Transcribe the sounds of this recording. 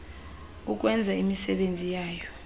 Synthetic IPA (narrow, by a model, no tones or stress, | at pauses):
uk̬ʼwɛnd͡zʱaimisɛɓend͡zʱijaːjɔ